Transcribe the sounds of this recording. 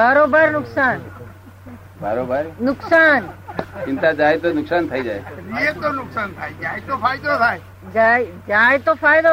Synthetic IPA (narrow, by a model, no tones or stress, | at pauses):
baɾoːbaɾnʊksaːn | baɾoːbaɾnʊksaːnt͡ʃint̪ad͡ʒaːet̪onʊksaːnt̪ʰaid͡ʒaːemiet̪onʊksaːnt̪ʰaːed͡ʒaːet̪opʰaːjd̪ot̪ʰae | d͡ʒaed͡ʒaet̪opʰaːjd̪o